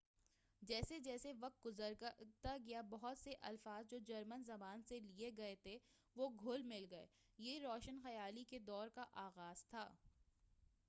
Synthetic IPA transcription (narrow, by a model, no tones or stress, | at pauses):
d͡ʒɛːsed͡ʒɛːseʋɐq̚t̪̚ɡʊzəɾt̪aɡɐjabɐɦʊt̪seʔɐlfaːzd͡ʒoːd͡ʒɐɾmənzɐbaːnselieɡɐet̪ʰe | ʋoɡʱʊlmɪlɡɐḛː | jeiɾɔːʃənxɐjaːliked̪ɔːɾkaʔaːɣaːz̥t̪ʰaː